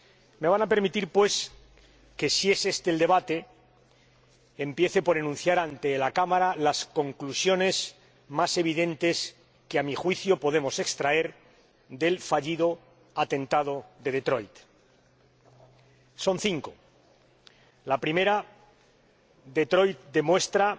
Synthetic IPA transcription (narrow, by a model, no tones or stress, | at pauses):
me̞β̞anape̞ɾmit̪iɾpwe̞s | ke̞sie̞se̞st̪e̞ːld̪e̞βat̪e̞ | mpje̞θe̞po̞ɾenũn̟θjaɾant̪e̞lakamaɾalaskõ̞ŋklusjo̞ne̞z | mase̞β̞iðe̞nt̪e̞s | keamixwiθjo̞po̞ð̞e̞mo̞se̞kst̪ɾae̞ɾ | d̪e̞lfaʎiðo | at̪ẽ̞nt̪að̞o̞ðe̞ð̞e̞t̪ɾo̞jt̪ | so̞nθiŋko̞ | lapɾime̞ɾa | ðe̞t̪ɾo̞jt̪̚d̪e̞mwe̞st̪ɾa